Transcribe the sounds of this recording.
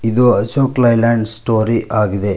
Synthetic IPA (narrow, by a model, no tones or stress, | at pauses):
id̪oɐʃoːklɐjlaːɳɖsʈoːɾiʔaːɡid̪e